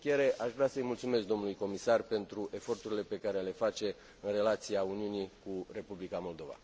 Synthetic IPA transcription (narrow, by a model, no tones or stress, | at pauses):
kʲjeɾe̞ʔaʃvɾeasəjmult̪sumesk̚d̪o̞mnulujko̞misarpe̞nt̪ɾuʔe̞fo̞rt̪uɾile̞pe̞kaɾe̞le̞fat͡ʃe̞ | ɨnre̞lat̪siauniunikure̞publikamo̞ld̪o̞va̰